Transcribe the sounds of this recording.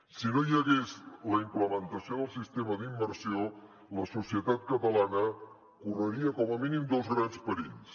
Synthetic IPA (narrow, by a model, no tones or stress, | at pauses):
sinojəɣezləimpləmənt̪əsioðəlˠsist̪eməd̪imːəɾsio | ləsusiət̪at̪̚kət̪əlanə | kurəɾiəkɔməminimd̪ozɣɾanspəɾins